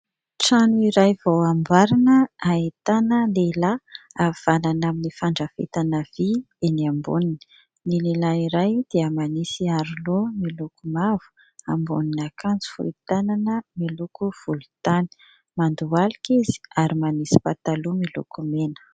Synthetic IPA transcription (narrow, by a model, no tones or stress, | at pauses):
ʈ͡ʂanuiɾajvawambaɾinəaet̪anəlelaav̥ananaminifaɳɖ͡ʐəfḛt̪anəvi | eniambṵninə̥ | nilelaiɾajd̪̥eəmanisiaɾilomilukumavu̥ | ambṵninakand͡zi̥fṵit̪ananəmilukuv̥ulut̪ani̥ | mand̪ualikizi̥aɾimanisi̥pat̪alumilṵkumenə̥